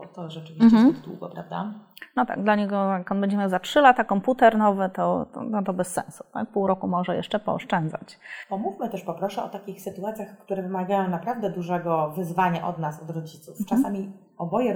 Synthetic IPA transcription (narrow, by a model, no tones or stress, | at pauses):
t̪ɔʐɛt͡ʂɨvʲiɕt͡ɕɛiɡd̪wṵɡɔpɾavd̪a̰nɔt̪a̰ɡ̚d̪laɲɛɡɔakɔnbɛɲd͡ʑɛmʲjawzatʂɘlat̪akɔmput̪ɛɾnɔvɘt̪ɔ̰nat̪̬ɔbɛsːɛ̰̃nsu̥t̪a̰k̚puwɾɔkumɔʐɛjɛ̰ʂt͡ʂɛpɔɔ̰ʂt͡ʂɛnd̪za̰t͡ɕt̪ɔmufmɘt̪ɛʂpɔpɾɔʂɛɔ̰t̪akʲixsɘt̪uat̪sʲjaxkt̪uɾɛvɘmaɡajɔ̃w̃napɾavd̪ɛd̪uʐɛɡɔvɘzvaɲaʔɔ̰d̪nasɔd̪ɾɔd͡ʑit̪suft͡ʂasamʲi | ɔbɔjɛ